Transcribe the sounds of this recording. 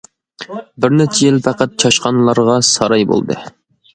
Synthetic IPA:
bɪɾnæt͡ʃʰejilfæqɑt̪̚t͡ʃʰɑʃqɑnlˠɑɾʁɑsɑɾɑjbo̰lˠd̪ɨ̰

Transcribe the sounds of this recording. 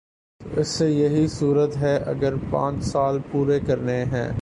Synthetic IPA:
t̪oːɪsːejɐɦisuːɾət̪ɦɛʔɐ̰ɡəɾpã̰ːt͡ʃsaːlpuːɾekɐɾneɦɛ̰̃ː

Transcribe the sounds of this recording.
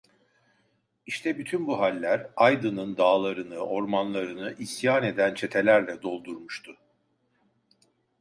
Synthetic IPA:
iʃt̪ʰɛbyt̪ʰynbuɦalʲːæɾajd̪ɯnɯnd̪aːlˠaɾɯnɯʔo̞ɾmanlˠaɾɯnɯʔisjaːne̞d̪ænt͡ʃʰe̞t̪ʰe̞lʲæɾlʲɛd̪o̞lˠd̪uɾmuʃt̪ʰʊ

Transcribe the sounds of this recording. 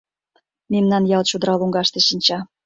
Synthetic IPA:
memnɑnjɑlt͡ɕud̪ɾɑluŋɡɑʃt̪eʃinʲt͡ɕɑ

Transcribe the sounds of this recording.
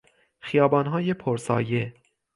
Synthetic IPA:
xijɒːbɒːnɦɒːjepʰoɾsɒ̰ːje

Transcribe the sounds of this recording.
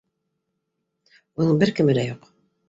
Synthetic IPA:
unɤɴbɘɾkɘ̆mɘ̆d̪æjuq

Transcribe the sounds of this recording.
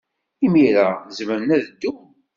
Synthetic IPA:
imiɾazməɾənæðəd̪ːum

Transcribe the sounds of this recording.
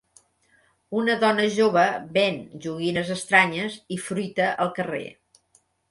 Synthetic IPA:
unəðɔnəʒoβ̞əβenʒuɣinəzəst̪ɾaɲəzifɾujt̪əʔəlˠkərḛ

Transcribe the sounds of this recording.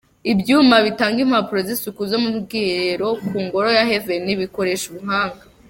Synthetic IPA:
ibjuːmaβitaːŋɡim̥hapuɾozisukuzo̞muɾɡiɾeɾo̞kuːŋɡo̞ɾo̞jaɦe̞veniβiko̞ɾe̞ʃuβuɦaːŋɡa

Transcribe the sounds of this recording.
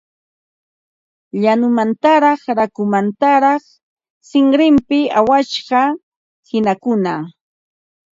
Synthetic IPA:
ʎanʊmant̪aɾɑχɾakʊmant̪aɾɑχ | sɪŋɾɪmpɪawaʃɢɑ | hɪnakʊna

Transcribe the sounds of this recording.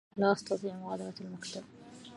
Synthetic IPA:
laʔɑsˤt̪ɑt̪ˤiːʕmʊɣɑːd̪ˤɪɾalmakt̪ab̚

